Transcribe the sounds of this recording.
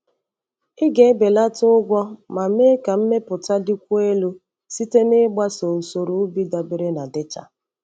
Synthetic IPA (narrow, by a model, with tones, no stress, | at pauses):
ɪ˦ɡe˨˦be˨la˦tʊ˦ʊ˦ɡʷɔ˦ma˨˦e˦ka˨m̩˦me˦pʊ˨ta˦dɪ˦kʷu˦e˦lu˦ | si˦te˦nɪ˦ɡ͡ba˦so˨u˨so˨ɾu˨˦bi˦da˨be˨ɾe˦na˨dɪ˦t͡ʃa̰˨